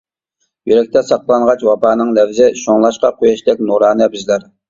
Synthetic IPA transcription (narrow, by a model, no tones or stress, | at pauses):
jyɾɛk̚ʲt̪ʰɛsɑqlˠɑɴʁɑt͡ʃwɑpɑːnɨŋlɛvzɪʃoŋlˠɑʃqɑqʰojɑʃlɛkʲnuɾɑːnɛbɪzlæɾ